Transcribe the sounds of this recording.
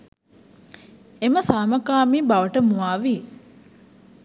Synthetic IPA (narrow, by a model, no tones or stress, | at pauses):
eməsaːməkaːmiːbaʋəʈəmuaːʋi